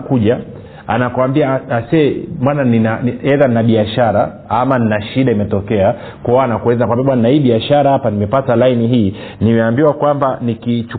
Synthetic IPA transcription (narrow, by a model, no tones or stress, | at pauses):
kuʄa | a̰nakwambiaasɛmananinaɛðan̩naɓiaʃaɾa | amaninaʃiɗaimɛtɔkɛa | kɔanakuɛzanakwambiaɓwananaiːɓiaʃaɾahapanimɛpatalainiɦiːnimɛambiwakwambanikit͡ʃu